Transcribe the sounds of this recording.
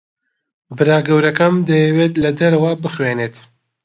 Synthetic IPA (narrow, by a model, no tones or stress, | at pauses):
bɨɾaːɡɐwɾɐkɐmd̪ɐjɛwet̪lɐd̪ɐɾɐwɐbɨχweːneːt̪